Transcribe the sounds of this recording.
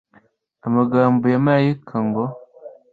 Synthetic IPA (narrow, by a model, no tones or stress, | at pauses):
amaɡaːmbojamajikʰaŋɡo